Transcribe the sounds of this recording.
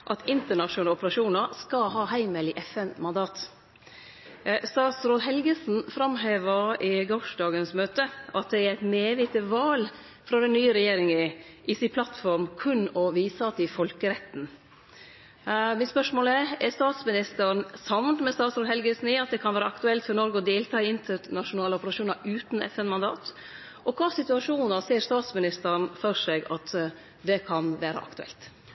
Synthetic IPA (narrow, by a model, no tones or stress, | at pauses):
ʔɑt̪ɪnt̪əɳɑʂʊɑlɔpəɾɑʂuːnəɾskɑɦɑːhæɪməlɪʔɛfɛnmɑnd̪ɑːt̪ | st̪ɑːt̪sɾoːd̪ɦɛlɡəsn̩fɾɑmheːʋəɾɪɡɔʂdɑːɡənsmøːt̪əʔɑt̪̚d̪ɛæɾæɪt̪neːʋɪt̪əʋɑːl | fɾɑd̪ɛnːyːəɾɛjeːɾɪŋəʔɪsɪnpʰlɑt̪fɔɾmkʰʉnːɔʋiːsəɑt̪̚d̪ɪfɔlkəɾɛt̪ːn̩ | mɪnspœʂmoːləɛɛɾst̪ɑːt̪smɪnɪst̪əɾɳsɑʋnmɛst̪ɑːt̪sɾoːd̪hɛlɡəsniːɑt̪̚d̪ɛkʰɑnʋæːɾəɑkt̪ʉɛlt̪fɔɾnɔɾɡəɔd̪eːlt̪ʰɑːɪɪnt̪ʰəɾnɑʂʊnɑːləɔpəɾɑʂuːnɑɾʉːt̪n̩ɛ̰fɛnmɑnd̪ɑ̰ːt̪ | ʔɔkʰɑːsɪt̪ʉɑʂuːnəɾseːɾst̪ɑːt̪smɪnɪst̪əɾɳfɔɾsɛɡɑt̪ | d̪ɛkʰɑnʋæːɾə̰ʔɑ̰kt̪ʉɛ̰lt̪